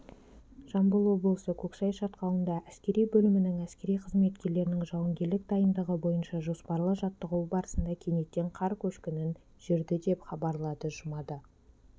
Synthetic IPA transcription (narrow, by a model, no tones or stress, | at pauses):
ʒ̥ɑmbəlˠwo̞blˠəsəkʲʰɵksɑjʃɑt̪qɑw̪ˠənd̪ɑʔæskʲe̞ɾijbɵlɪmɪnɪŋæskʲe̞ɾijqʰəzme̞t̪kʲe̞ɾle̞ɾɪnɪŋʒɑwəŋɡʲe̞ɾlɪk̚d̪ɑjənd̪əʁəbo̞jənʃɑʒo̞spɑɾlˠəʒɑt̪ːəʁuwbɑɾəsənd̪ɑkʲʰe̞ne̞t̪ːe̞ɴqʰɑɾkʲʰɵʃkʲɪnɪn | ʒ̥ɪɾd̪ɪd̪e̞pχɑbɑɾlˠɑd̪əʒʊmɑd̪ə